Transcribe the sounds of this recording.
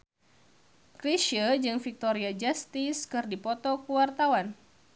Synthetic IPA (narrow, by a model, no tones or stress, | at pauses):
kɾiʃəd͡ʒɨŋfik̚t̪oɾiad͡ʒast̪iskɨrdipɔt̪ɔkuwart̪awan